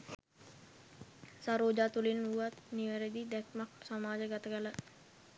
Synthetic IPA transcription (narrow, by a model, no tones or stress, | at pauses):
saɾoːd͡ʒaːt̪ulinuat̪niʋəɾed̪id̪ækmak̚samaːd͡ʒəɡat̪əɡələ